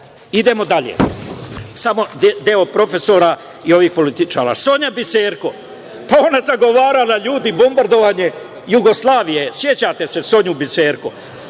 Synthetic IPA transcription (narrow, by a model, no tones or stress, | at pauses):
id̪e̞mo̞d̪aʎḛ | samo̞d̪eo̞pɾo̞fe̞so̞ːɾa | io̞ʋiːxpo̞lit̪it͡ʃa̰ːɾa̰ːso̞ɲabiseːɾko | pao̞nazaɡo̞ʋaːɾalaʎuːd̪ibo̞mbaɾd̪o̞ʋaːɲe̞ | juɡo̞slˠaːʋijesje̞t͡ɕat̪e̞se̞so̞ɲubise̞ːɾko̰